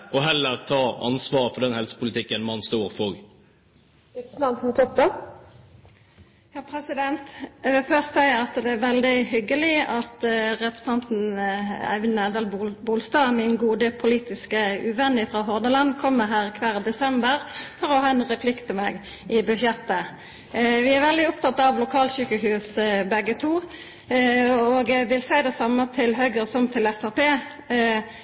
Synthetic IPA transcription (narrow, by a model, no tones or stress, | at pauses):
ɔɦɛlːəʁt̪ʰɑːɑ̰nsʋɑːɾfɔɖ̪ɛnhɛlsə̥pʰʊlɪt̪ʰɪkːənmɑnst̪uːɾfɔɡ | t̪̩ɑnmt̪ʰɔp̪ə | jɑːpʰɾɛsɪd̪ɛnt̪ɛʋɪlfœʁst̪sæɪəɑt̪d̪ɛæʋɛld̪ɪhʏɡːəlɪɑt̪ʁɛpɾəsɑnt̪n̩æ̰ʋnæd̪əlbbuːlst̪ɑːmɪnɡuːd̪əpʰʊliːt̪ɪskəʉʋɛnːɪfɾʁɑːɦɔʁnəlɑnːkʰɔmːəɾɦæːʁkʰʋæːʁd̪ɛsɛmbəɾfɔɾɔhɑːɛnʁɛpʰlɪkt̪ʰɪmɛɡ | ɪbʉʃjɛt̪ːə | ʋɪæʋɛld̪ɪɔpt̪ʰɑt̪ːɑʋlʊkʰɑːlsyːkəhʉːsbɛɡːət̪ʰuː | oːɡʋɪlsæɪd̪ɛsɑmːət̪ʰɪlɦœʏɡəsɔmt̪ʰɪlɛfæʁpeː